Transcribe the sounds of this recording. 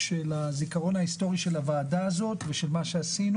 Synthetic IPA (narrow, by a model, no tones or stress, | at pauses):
ʃelazikaʁo̞naisto̞ʁiʃe̞lavaːdaːzo̞t̪veʃe̞lmaʃeasinu